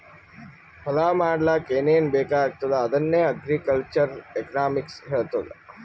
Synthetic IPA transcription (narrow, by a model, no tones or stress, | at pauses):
pʰɐlaːmaːɖlaːkeːneːnbeːkaːek̚t̪od̪aːd̪ənjəɐɡɾikəlt͡ʃəɾeknaːmɪksɦeːt̪od̪a̰